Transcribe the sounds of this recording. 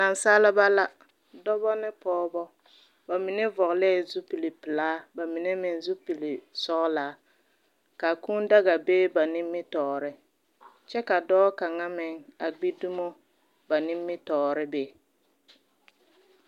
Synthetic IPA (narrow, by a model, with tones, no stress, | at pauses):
na˨nsaː˦lɪ˦ba˦la˦ | dɔ˦bɔ˦nɪ˦pɔː˦bɔ˦ | ba˨mɪ˨nɛ˦vɔ˨ɣlɛ˦˨zu˦pi˨li˨pɪ˨laː˦ba˨mɪ˨nɛ˦mɪ˨nzu˦pi˨li˨sɔ˦ʔlaː˨˦ | ka˨ku˦nda˦ɣa˨beː˦ba˨nɪ˦mːɪ˦tɔː˨ɾɪ˦ | t͡ʃɛ˦ka˨dɔː˦ka˨ŋa˦mɪ˨ŋa˨ɡ͡bi˦du˦mɔ˦ | ba˨nɪ˦mːɪ˦tɔː˨ɾɪ˦be˦˨